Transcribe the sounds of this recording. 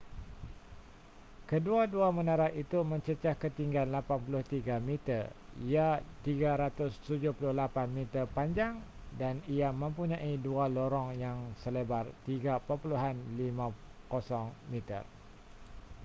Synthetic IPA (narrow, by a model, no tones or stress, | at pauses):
kəduaduamə̃naɾaʔit̪umə̃ɲt͡ʃət͡ʃahkət̪iŋɡanlapanpulʊht̪iɡamit̪ərijat̪iɡaɾat̪ʊst̪ud͡ʒʊhpulʊhlapanmĩt̪ərpaɲd͡ʒaŋ | danijamə̃mpuɲãʔidualoɾɔŋjaŋsəlebart̪iɡapəpuluɦanlimãkosɔŋmit̪ə̰r